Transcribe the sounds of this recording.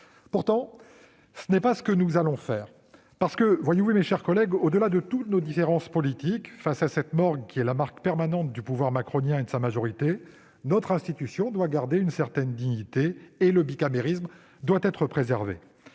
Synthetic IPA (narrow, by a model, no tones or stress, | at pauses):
puʁt̪ɑ̃ | sənɛpasə̥kənuzalɔ̃fɛːʁ | paʁsə̥kəvwajevumeʃɛʁkɔlɛɡod̪əlad̪ət̪ut̪nod̪ifeʁɑ̃spɔlit̪ikfasasɛt̪mɔʁɡkʲiɛlamaʁkpɛʁmanɑ̃t̪̚d̪ypuvwaʁmakχɔnjɛ̃ed̪əsamaʒɔʁit̪e | nɔt̪χɛ̃st̪it̪ysjɔ̃d̪waɡaʁd̪eynsɛʁt̪ɛnd̪iɲit̪eːləbikameʁism | d̪wat̪ɛt̪χəpχezɛʁvḛ